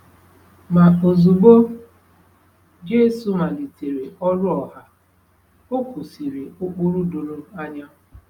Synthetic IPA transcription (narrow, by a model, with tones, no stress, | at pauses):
ma˨o˨zu˨bo˦ | d͡ʒe˦su˨ma˨li˨te˨ɾe˨ɔ˦ɾʊ˦ɔ˨ha˦ | o˦ku˨si˨ɾe˨o˦k͡pu˦ɾu˦do˨ɾo˦a˦ɲa˦